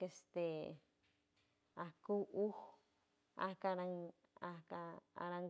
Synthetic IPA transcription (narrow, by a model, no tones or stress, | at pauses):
kest̪e | akuʔuh | a̰hkaɾaŋ | akaa̰ɾaŋ